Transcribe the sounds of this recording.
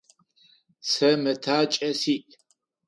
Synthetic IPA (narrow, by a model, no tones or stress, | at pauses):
sɐmɨtʰaːt͡ʃʼɐsiʔ